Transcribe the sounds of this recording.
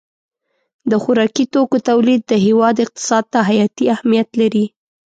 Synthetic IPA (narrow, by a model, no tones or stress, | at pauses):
d̪əxʊɾɑkit̪okot̪awlid̪̚ːəɦewɑd̪ɪq̚t̪ɪ̥sɑd̪̚t̪aɦajɑt̪iahmijat̪laɾi